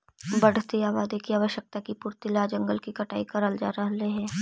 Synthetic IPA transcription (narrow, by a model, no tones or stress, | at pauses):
bɐɽ̤t̪iaːʋaːd̪ekiaːʋəʃjək̚t̪akipʊɾt̪ɪlad͡ʒɐ̃ŋɡəlkikɐʈa̰ːikɐɾəld͡ʒaːɾɐɦleɦɛ̃ː